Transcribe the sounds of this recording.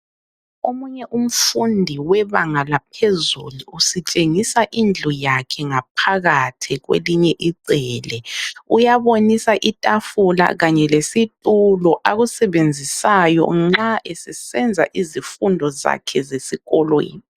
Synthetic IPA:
omuɲɛʔum̩fundʱiwɛβaŋalap̚ʰezuluːsit͡ʃʼeŋisaʔind͡ɮʱɔjakʰɛŋap̚ʰaɣatʰiɣwḛliɲɛʔiǀɛːlɛujaβonisaʔitʼafula̰ɣaɲɛlesitʼulɔʔaɣusɛβend͡zʱisajɔ̰ŋ͡ǁaʔesɛsɛnd͡zʱa̰ʔizifundʱɔza̰kʰɛzesiɣɔlwon

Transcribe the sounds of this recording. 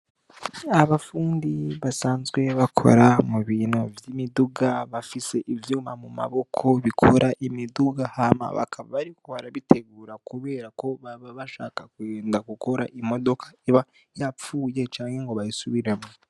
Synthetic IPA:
aβafuːndiβasaːnzɡwe̞βakʰo̞̰ɾamuβiːnovjimiduɡaβafise̞ʔivjuːmamuma̰βo̞kʰo̞βikʰo̞ɾʔaʔimiduɡahama̰βa̰kʰaβa̰βaɾikʰoβaɾaβitʰe̞ɡuːɾakuβe̞ːɾako̞βaβaβaʃaːkakweːndaɡuko̞ɾaʔimo̞do̞kḁeβa | jap͡fuːje̞t͡ʃaːnheŋɡo̞βajisuβiɾemo

